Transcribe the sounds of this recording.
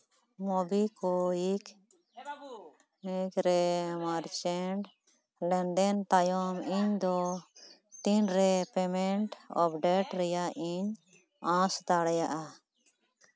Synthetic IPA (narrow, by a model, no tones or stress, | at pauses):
mɔbikɔik | ikɾɛmaɾt͡ʃɛɳɖ | lɛɳɖɛnt̪ajɔmiɲd̪ɔ | t̪inɾɛpɛmɛɳʈɔ̰pɖɛʈɾɛjaʔiɲ | ãst̪aɽɛjaʔa